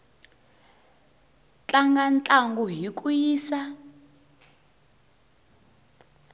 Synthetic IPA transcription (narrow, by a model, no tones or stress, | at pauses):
t͡ɬʼaŋɡant͡ɬʼaŋɡuɦik̬ʼujiːsa